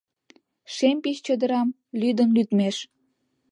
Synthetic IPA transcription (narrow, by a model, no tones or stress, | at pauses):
ʃempiʃt͡ɕød̪əɾɑm | lyd̪ənlyt̪meʃ